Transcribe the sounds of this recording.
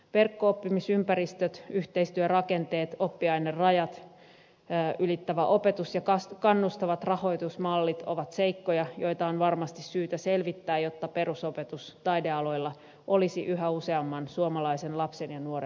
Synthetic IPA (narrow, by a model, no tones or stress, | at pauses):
ʋerkːoopːimisympæɾist̪øt̪yht̪eist̪yørɑkent̪eːt̪opːiɑinerrɑjɑt̪ː | ylit̪ːæʋæʔo̞pet̪usjɑkɑskɑnːust̪ɑʋɑt̪rɑho̞it̪usmɑlːit̪oʋɑt̪seikːojɑjo̞it̪ɑonʋɑrmɑst̪issyːt̪æselʋit̪ːæːjot̪ːɑpe̞rusopet̪ust̪ɑideɑlo̞ilːɑ | ʔolisiʔyɦæuseɑmːɑnsuomɑlɑisenlɑpsenjɑnuoɾe